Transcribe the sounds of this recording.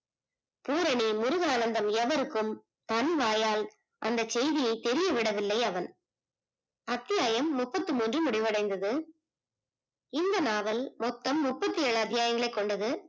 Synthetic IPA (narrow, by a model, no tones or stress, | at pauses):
puːɾɐɳimʊɾʊɣaːnɐnd̪ɐmɛʋɐɾɯkːɯm | t̪ɐnʋaːjaːl | ʔɐnd̪ɐsɛjðɪjɐɪt̪ɛɾɪjɐʋɪɽɐʋɪlːɐɪɐʋɐn | ɐt̪ːɪjaːjɐmːʊpːɐt̪ːɯmuːndrɯmʊɽɪʋɐɽɐɪnd̪ɐðɯ | ɪnd̪ɐnaːʋɐlmɔt̪ːɐmːʊpːɐt̪ːɯjeːɭɯɐd̪ːɪjaːjɐŋɡɐɭɐɪkːɔɳɖɐðɯ